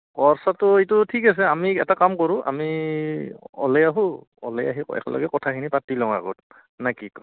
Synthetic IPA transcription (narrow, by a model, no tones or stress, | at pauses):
kɔɹsatʊetʊtʰikas̬ɛamiɛtakamkɔɹʊ̃ʔa̰mi | ɔ̰lɛjaɦũ | ɔ̰lɛja̰ɦiɛ̰kɔ̰lɔ̰ɡɛkɔtʰakʰinipatilɔ̃ŋ̃a̰ɡɔ̰t̚ | nakik